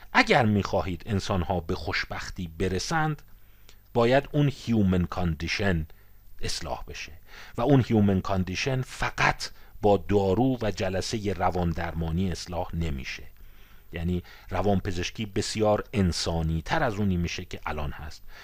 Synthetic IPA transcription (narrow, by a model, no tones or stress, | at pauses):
ʔæɟæɾmiːxɒːhiːd̪e̞nsɒːnhɒːbe̞xoʃb̥æxt̪iːbe̞ɾe̞sænd̪ | bɒːjæd̪uːnhjuːmenkʰond̪iʃe̞n | ʔe̞slɒ̰ːhb̥e̞ʃevæuːnhjuːmenkʰond̪iʃe̞nfæɡæt̪ʰbɒːd̪ɒːɾuːvæd͡ʒælæsejerævɒːnd̪æɾmɒːniːeslɒːhne̞mḭːʃe | jæːniː | rævɒːnpʰe̞ze̞ʃcʰiːbe̞sijɒːɾe̞nsɒːniːt̪ʰæɾæzuːniːmiːʃecʰe̞ʔælɒːnhæst̪̚